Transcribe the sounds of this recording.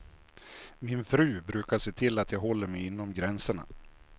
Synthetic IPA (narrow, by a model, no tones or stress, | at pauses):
mɪnfɾʉ̟ːbɾʉ̟ːkaʂeːt̪ʰɪlːat̪ʰjɑːɡɦɔlːəɾmɛjɪnːɔmɡɾɛnsəɳa̰